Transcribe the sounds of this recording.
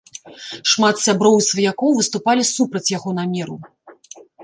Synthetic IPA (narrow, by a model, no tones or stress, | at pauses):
ʂmat̪sʲabɾɔwisvɐjakɔwvɨst̪upalʲisupɾɐt͡sʲjaɣɔnamʲɛɾu